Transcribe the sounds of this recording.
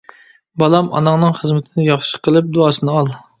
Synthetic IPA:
bɑlˠɑmɑ̰nɑŋnɨŋχəzmɪt̪ʰɪnɪjɑχʃə̥qəlˠɨp̚d̪uɑːsɨnɨɑlˠ

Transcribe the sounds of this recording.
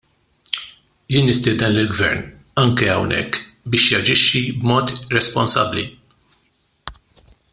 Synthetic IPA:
jɪːnːɪst̪ɪːd̪ɛnlɪlɡvɛ̰ɾn | ɐŋkɛɐwnɛ̰kː | bɪːʃjɐd͡ʒɪʃːibmɔːt̪ɾɛspɔnsɐ̰bːlḭ

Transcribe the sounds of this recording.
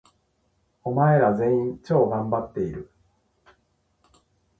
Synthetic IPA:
o̞mae̞ɾazẽ̞ĩɲt͡ɕo̞ːɡãmbat̪ːe̞iɾɯ̟

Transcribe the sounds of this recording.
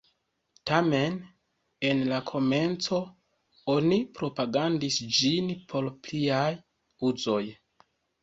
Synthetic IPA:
tame̞n | enlakʰo̞me̞nt͡so̞ | o̞nipɾo̞paɡandisd͡ʒinpʰo̞ɾpliaj | uzo̞j

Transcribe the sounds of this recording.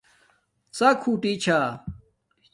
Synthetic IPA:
t͡sakʰuːʈit͡ɕʰa

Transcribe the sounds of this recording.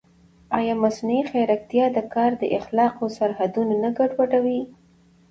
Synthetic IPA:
ɑjɑmasnuixajɾak̚t̪jɑd̪əkɑɾd̪əʔɪxlɑqosaɾhad̪unonaɡaɖwaɖawi

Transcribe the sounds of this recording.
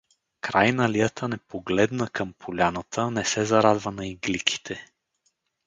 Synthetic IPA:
kɾajnɐlijət̪ʰənɛpoɡlɛd̪nəkɤmpʰolʲanət̪ʰənɛsɛzɐɾad̪vənɐiɡlikʰi̥t̪ʰɛ

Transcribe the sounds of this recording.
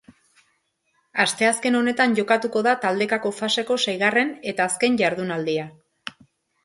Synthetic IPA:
ast̪e̞aske̞no̞ne̞t̪aɲʝo̞kat̪uko̞ðat̪ald̪e̞kako̞fase̞ko̞sajɣ̞are̞ne̞t̪aːske̞ɲʝaɾðunald̪ia

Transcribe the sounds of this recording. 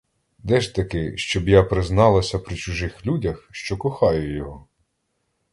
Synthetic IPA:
d̪ɛʒt̪ɐkɪʃt͡ʃɔbjapɾɪznɑlˠɐsʲɐpɾɪt͡ʃʊʒɪxlʲudʲɐxʃt͡ʃɔkɔxɑjʊjɔɦɔ

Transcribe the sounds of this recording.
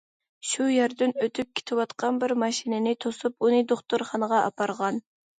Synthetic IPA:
ʃujæɾd̪ɪnøt̪ʰyp̚kʲʰe̥t̪ʰɪwɑt̪qʰɑnbɪɾmɑʃinɪnɪt̪ʰosupunɨd̪oχt̪uɾχɑnəʁɑʔɑ̰pɑɾʁɑn

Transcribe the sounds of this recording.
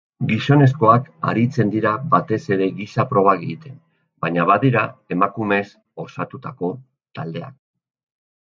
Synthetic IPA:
ɡiso̞ne̞s̬ko̞aka̰ɾit͡se̞nd̪iɾabat̪e̞se̞ɾe̞ɣisapɾo̞β̞aɣiit̪e̞n | baɲaβaðiɾae̞makume̞s | o̞sat̪ut̪ako̞ | t̪ald̪e̞a̰k̚

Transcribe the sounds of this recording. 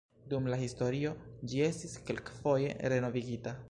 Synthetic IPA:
dumlahisto̞ɾio̞d͡ʒie̞stiskelkfo̞je̞̰ɾe̞no̞viɡita

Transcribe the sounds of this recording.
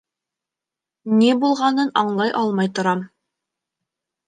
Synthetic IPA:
nibulˠʁɑnɤnɑɴlˠɑjʔɑlˠmɑjt̪ŏɾɑm

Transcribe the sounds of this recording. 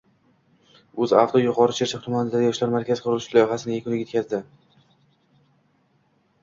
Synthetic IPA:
ɵza̰ft̪ojʊqʰɒɾɪʃʰeɾt͡ʃʰaqt̪ʰʊmanɪd̪ajɒʃlaɾmaɾkʲʰaz̥qʰʊɾʊlʊʃɪlˠɒjɪɦasɪnɪjekʰʲʊnɪet̪kʲʰazd̪ɪ

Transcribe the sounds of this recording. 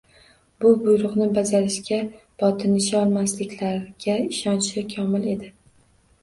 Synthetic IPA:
bʊbʊjɾʊqnɪbazaɾɪʃkʲa | b̥ɒt̪ʰɪnɪʃɪɒlˠmaslɪkʲlaɾɡʲaɪʃɒnt͡ʃɪkʲʰɒmɪle̞d̪ɪ

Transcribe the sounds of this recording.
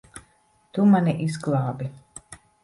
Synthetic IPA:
t̪umaniʔizɡlˠɑːbi

